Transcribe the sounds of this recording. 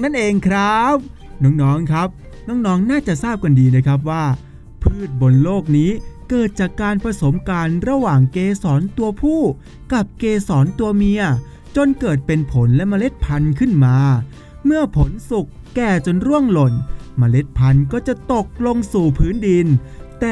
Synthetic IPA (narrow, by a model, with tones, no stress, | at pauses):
na˥˩nʔeː˧ŋkʰɾa˦˥p̚ | nɔː˦˥ŋnɔː˦˥ŋkʰɾa˦˥p̚ | nɔː˦˥ŋnɔː˦˥ŋnaː˥˩t͡ɕa˨˩ʔsaː˥˩p̚ka˧ndiː˧na˦˥˩jkʰa˦˥p̬̚waː˥˩ | pʰɯː˥˩t̪̚bo˧nloː˥˩k̚niː˦˥kɤː˨˩t̪̚t͡ɕaː˨˩kːaː˧npʰɾa˧so˩˦mkaː˧nɾa˧waː˨˩ŋkeː˧sɔː˩˦nt̪u˧ɐpʰuː˥˩ | ka˨˩p̚keː˧sɔː˩˦nt̪u˧ɐmi˧ɐ | t͡ɕo˧nkɤː˨˩t̪̚pe˧npʰo˩˦nlɛ˦˥ma˧le˦˥t̪̚pʰa˧nkʰɯ˥˩nmaː˧ | mɯ˥˩ɐpʰo˨˩˦nsu˨˩kːɛː˨˩t͡ɕo˧nɾu˥˩əŋlo˨˩nma˧le˦˥t̪̚pʰa˧nkɔː˥˩t͡ɕa˨˩t̪o˨˩k̚lo˧ŋsuː˨˩pʰɯː˦˥ndi˧nt̪ɛː˨˩